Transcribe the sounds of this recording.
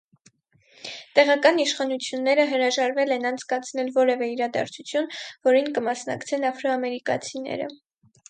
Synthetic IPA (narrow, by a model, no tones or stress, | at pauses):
t̪ɛʁɑkɑniʃχɑnut͡sʰjunːɛɾəɦəɾɑʒɑɾvɛlɛnɑnt͡sʰkɑt͡sʰnɛlvɔɾɛvɛiɾɑd̪ɑ̰ɾt͡sʰut͡sʰjunvɔɾinkəmɑsnɑ̰kt͡sʰɛnɑfɾɔɑmɛɾikɑ̰t͡sʰinɛ̰ɾə̰